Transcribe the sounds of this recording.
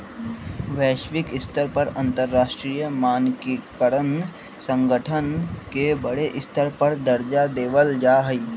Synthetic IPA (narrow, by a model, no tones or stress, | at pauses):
ʋɛːʃʋɪkɪst̪əɾpəɾə̃nt̪əɾːaːʃʈɾiːjəmaːnkikəɾən | sə̃ŋɡəʈʰənkebəɽeʔɪst̪əɾpəɾd̪əɾd͡ʒad̪eːʋəld͡ʒaːɦəi